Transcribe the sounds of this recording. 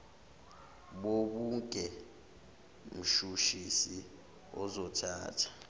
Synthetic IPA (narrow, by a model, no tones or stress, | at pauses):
ɓoɓuŋkʼɛ | m̩ʃuʃisi | ɔzɔtʰaːtʰḁ